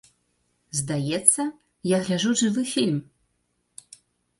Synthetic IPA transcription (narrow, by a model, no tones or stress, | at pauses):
zd̪ajɛt̪sːɐ | jaɣlʲaʐuʐɨvɨfʲilʲm